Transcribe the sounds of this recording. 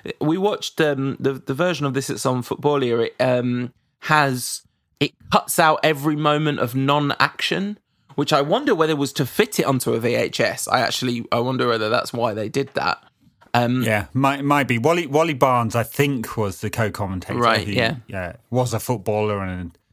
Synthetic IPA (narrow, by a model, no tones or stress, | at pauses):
wiwɒt͡ʃðʌ̃mðəðəvɜːˑʒə̃nəvðɪsɪsə̃nfʊʔ̚b̥ɔːlˠɪəɹɪʔʌ̃m | həz̥ | ɪʔ̚kʰʌtsaʊtɛvɹimə̃ʊ̃mə̃ntə̰vnɒ̃na̰kʃə̃n | wɪt͡ʃaɪwʌ̃ndəwɛðəɪʔwɒz̥tʰəfɪtʰɪtʌ̰̃ntuəvieɪt͡ʃɛsa̰ɪa̰k̚t͡ʃʉl̩ˠiaɪwʌ̃ndəwɛðəða̰tswaɪðeɪdɪd̪̚ðə̰t̚ | ʌ̃mjæmaɪʔmaɪʔ̚b̥iwɒliwɒlibɑːnzaɪθɪ̃ŋkʰwɒzðəkʰəʊkʰɒmə̃ntʰeɪɹaɪʔijæjæwɒzəfʊt̚b̥ɔːlˠə˞ə̃n